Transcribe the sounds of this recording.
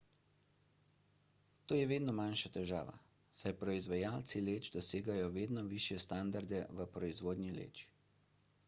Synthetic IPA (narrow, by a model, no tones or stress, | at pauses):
t̪oːjɛʋeːd̪nɔmanʃat̪ɛʒa̰ːʋa̰ | sajpɾɔizʋajaːlt̪sileːt͡ʃd̪ɔseːɡajɔʋeːd̪nɔʋiːʃjɛst̪and̪aɾd̪ɛʋəpɾɔizʋoːd̪nʲilḛt͡ʃ